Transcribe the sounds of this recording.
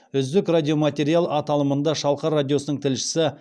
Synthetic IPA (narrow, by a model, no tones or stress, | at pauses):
ʏzd̪ɪkradʲijo̞mat̪ʲe̞ɾijalˠɑt̪ɑlˠəmənd̪ɑʃɑlˠqɑradʲijo̞sənəɴt̪ʰɪlʃɪ̥sɪ